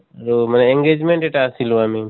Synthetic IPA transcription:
ɾoməneẽŋɡeːd͡ʒmẽɳʈeʈaːsilũami

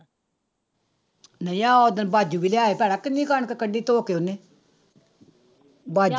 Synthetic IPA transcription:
nəĩaːod̪ənbaːd͡ʒuːbiːleaːepɛːɽaːkɪnːĩːkəɳkekəɖiːt̪oːkeːonːeː | baːd͡ʒ

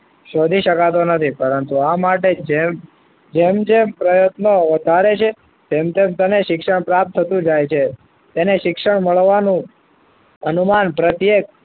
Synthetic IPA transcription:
ʃod̪ʱiʃəkat̪̬onət̪ʰipəɾənt̪uamaʈed͡ʒem | d͡ʒemd͡ʒempɾəjət̪noʋəd̪ʱaɾet͡ʃʰe | t̪emt̪emt̪əneʃɪkʃəɳpɾap̚t̪ʰːət̪ũd͡ʒajt͡ʃʰe | t̪eneʃɪkʃəɳməɭʋanũ | ənumanpɾət̪jek̚

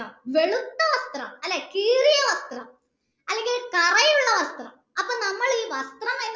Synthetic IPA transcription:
ɐmʋe̞ɭut̪ːɐʋɐst̪rɐmɐlːeːkiːrijɐʋɐst̪rɐm | ɐlːe̞ŋɡilkɐrɐjuɭːɐʋɐst̪rɐm | ɐpːoːnɐmːɐɭiːʋɐst̪rɐmɐjn

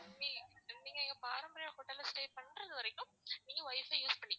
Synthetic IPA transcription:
niniːŋɡɐɪŋɡɐpaːɾɐmbɐɾɪjaːkʊʈːɐlɐsʈeːpɐɳːɾɐðɯʋɐɾɐɪkːɯ̃m | niːŋɡɐʋɐɪfɐjuːspɐɳːɪŋɐ

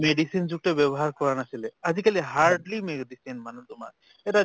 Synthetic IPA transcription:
meɖisind͡ʑukɡ̚ʈebɛbɔɦaɾkɔɾanasilead͡ʑikaliɦaɾɖlimekɖisinmanut̪oma̰ɾ | eʈa

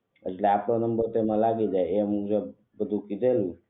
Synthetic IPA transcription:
ə̰t͡ʃleapɽonəmbəɾt̪emãlaɡid͡ʒaeemũd͡ʒəb | bəd̪ʱũkid̪ʱelũ

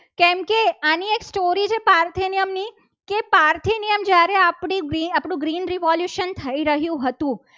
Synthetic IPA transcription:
kɛmkeanieksʈoɾit͡ʃʰepaɾt̪ʰinijəmni | kepaɾt̪ʰinijəmd͡ʒjaɾeapɳiɡɾiapɳ̃ũɡɾinɾiʋɔljuʃənt̪ʰəiɾəɦjũɦət̪ũ

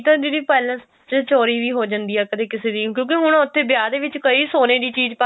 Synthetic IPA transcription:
t̪ə̃ːd̪iːdiːpɛːləns | t͡ʃət͡ʃoːɾiːʋiːɦoːd͡ʒãnd̪iːɦɛːkəd̪eːkɪseːd̪iːkjõːkeɦʊɽʊt̪ʰːeːbɪjaːd̪eːʋɪt͡ʃkəiːsoːneːd̪iːt͡ʃiːd͡ʒpə

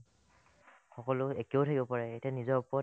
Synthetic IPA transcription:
xɔkɔlʊekeoʊtʰakibɔpaɹɛetianizɔɹɔpɔ

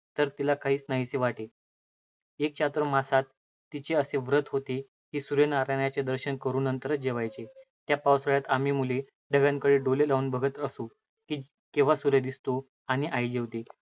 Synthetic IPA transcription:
t̪əɾt̪ilakʰaɦiːt͡snaɦit͡seʋaʈe | ek̚t͡ɕat̪ɾəmasat̪ː | it͡ɕeəseʋɾət̪ɦot̪e | ɦiːsuɾenaɾaɳjat͡sed̪əɾɕənkəɾuːnənt̪əɾət͡s̚d͡ʑeʋajt͡set̪japawsəɭjat̪am̤iːmule | ɖʱəɡaŋkəɽeɖolelauːnbʱəɡʱət̪əsu | kiː | keʋ̤asuɾed̪ist̪o | aɽ̃iʔajd͡ʑeʋt̪e

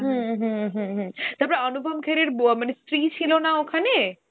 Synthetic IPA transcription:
ɦũɦuɦũɦũt̪abɾaɔnubʱɔmkʰeɾeɾbamanesʈɾit͡ɕʰilonaokʰane

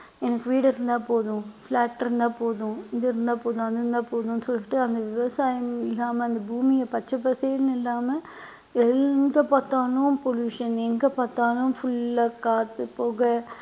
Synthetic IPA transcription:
ɛnɐkːɯʋiːɽɯɪɾɯnd̪ãːpoːðʊ̃fɭaːʈːɪɾɯnd̪ãːpoːðʊ̃ɪðɯɪɾɯnd̪aːpoːðʊ̃ɐðɯɾɯnd̪ãːpoːðʊ̃nːɯsɔlːɪʈːɯɐnd̪ɐʋɪʋɐsaːjɐmɪlːaːmɐɐnd̪ɐbuːmɪjɐpɐt͡ʃːɐp̬ːɐselnɪlːaːmɐ | ɛŋɡɐpaːt̪ːaːlʊmpɔljuːʂɐnɛŋɡɐpaːɾt̪aːlʊ̃mfʊɭːɐkaːt̪ːɯpoːɣɐ

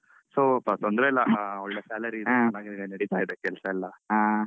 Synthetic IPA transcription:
soːpat̪ond̪ɾeɛlːɐɔɭːesaːlɐɾinaːɡeninenɐɽit̪aːjid̪ekɛlsɐɛlːɐaː

